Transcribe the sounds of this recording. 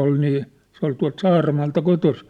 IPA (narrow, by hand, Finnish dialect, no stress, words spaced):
ol niː sĕ ol tuɑ̝lt sɑːrɑmɑːltɑ kotosi